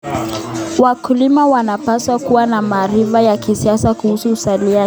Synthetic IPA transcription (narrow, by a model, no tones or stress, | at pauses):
wakulimawanapaswakuwanamaːɾivajakisiasakuhusuːsalia